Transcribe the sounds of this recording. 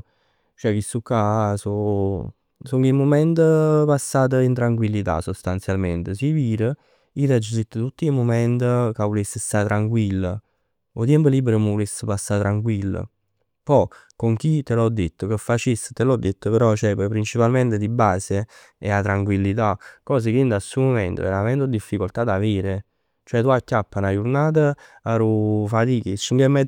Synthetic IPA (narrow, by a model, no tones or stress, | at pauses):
t͡ʃoɛk̟isukːaso | soŋkemumɛnt̪əpasːaːt̪̬əint̪ɾaŋkwilːit̪a̰sost̪ant̪sjalment̪əsiviːɾə | irad͡ʒuzit̪ːət̪ut̪ːiimumɛnt̪əkavolesːəst̪at̪ɾaŋkwilːə̰ | ot̪jɛmpəliːbeɾoməvolesːəpasːat̪ɾaŋkwilːə̰ | pɔkːoŋk̟it̪ːelɔd̪ːet̪ːokəfːat͡ʃesːə̥t̪elɔd̪ːet̪ːəpeɾɔt͡ʃoɛpɔpɾint͡ʃipalmɛnt̪əd̪ibːaːse | eat̪ːɾaŋkwilːit̪akːɔːs̬əkind̪asːuːmomɛnt̪o̰vḛɾamɛnd̪od̪ifːikolt̪ad̪aveːɾe | t͡ʃoɛt̪uacːapːanajuɾnaːt̪̬ə | aɾufat̪iːkət͡ʃːiŋkemːɛ